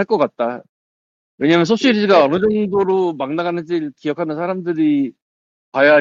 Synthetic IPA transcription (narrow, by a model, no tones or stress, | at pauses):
aɭk͈ʌk͈at̚t͈a | we̞ɲamjʌnsʰoɕ͈iɾiɡaʌnɯd͡ʑʌŋdoɾomaŋnaɡanɯnd͡ʑikiʌkʰanɯnsʰaɾamdɯɾi | kaja